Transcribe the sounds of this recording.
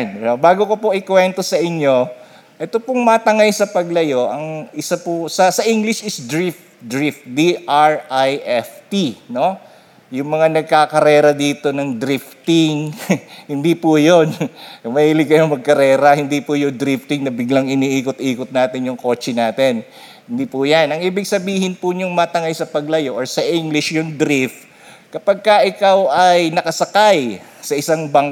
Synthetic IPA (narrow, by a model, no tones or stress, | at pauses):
nobaːɡokopoʔɪkwɛnt̪o̞sɐʔɪɲo̞ | ʔɛt̪opʊŋmɐt̪ɐŋajsɐpɐɡlɐjo̞ʔɐŋʔɪsapʊsɐsɐʔiŋɡlɪʃɪsd̪ɾɪft̪d̪ɾift̪̚d̪iʔaɹʔajʔɛft̪ino̞ | jʊŋmɐŋanɐɡ̚kakɐɾɛːɾɐd̪iːt̪o̞nɐŋd̪ɾift̪ɪŋhɪnd̪ipʊjonmɐiːlɪkɐjoŋmɐɡ̚kɐɾɛːɾɐhɪnd̪ipʊjʊŋd̪ɾift̪ɪŋnɐbɪɡlaŋɪniʔiːkot̪ʔiːkʊt̪̚naːt̪ɪnjʊŋko̞ːt͡ʃɛnaːt̪ɛn | hɪnd̪ipujanʔɐŋʔiːbɪɡsɐbiːhɪnpʊɲʊŋmɐt̪ɐŋajsɐpɐɡlɐjoʔoɹsɐʔiŋɡlɪʃjʊŋd̪ɾift̪̚ | kɐpaɡ̚kɐʔɪkawɐjnɐkɐsɐkaj | sɐʔɪsaŋbɐŋk